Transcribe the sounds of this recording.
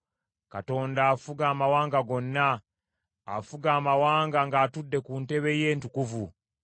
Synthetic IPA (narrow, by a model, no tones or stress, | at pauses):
kato̞ːndaːfuɡaːmawaːŋɡaɡo̞nːa̰ː | fuɡaːmawaːŋɡaŋɡaːtudːe̞kunte̞βe̞je̞ːntukuvu